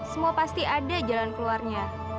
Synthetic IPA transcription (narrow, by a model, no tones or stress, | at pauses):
səmuapast̪iʔadad͡ʒalankəluarɲa